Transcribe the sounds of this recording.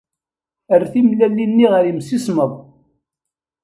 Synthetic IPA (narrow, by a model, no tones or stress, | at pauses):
ərθimlælːinːiʁəɾimsisməðˤ